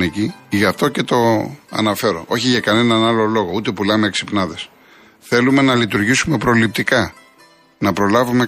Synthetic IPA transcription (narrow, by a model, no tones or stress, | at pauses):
neciʝɐft̪o̞ce̞t̪o̞ɐ̰nɐfe̞ɾo̞̰ʔo̞çiʝɐkɐne̞nɐnɐlo̞lo̞ɣout̪e̞pulɐmeeksipnɐðe̞s | θe̞lume̞nɐlit̪uɾʝisume̞pɾo̞lip̚t̪ikɐ | nɐpɾo̞lɐvume